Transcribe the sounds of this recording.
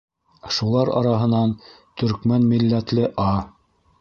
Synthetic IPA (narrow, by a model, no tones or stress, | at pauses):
ʃulˠɑɾɑ̰ɾɑɦɤ̆nɑn | t̪ɵ̆ɾkmænmilːæt̪lɘʔɑ